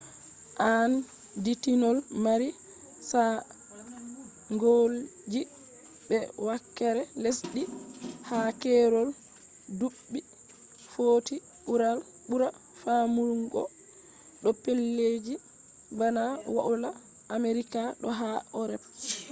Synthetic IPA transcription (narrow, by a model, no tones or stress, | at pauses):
ʔan | ditinɔlmaɾi | sa | ŋɡold͡ʒi | bɛwakːɛɾɛlesɗihakɛɾɔl | duɓːi | foːti | ɓuɾal | ɓuɾa | famuɾuŋɡɔ̰ | ɗɔpelːed͡ʒi | banawa̰ʔulaː | meɾikaɗɔɦaɔɾɛp̚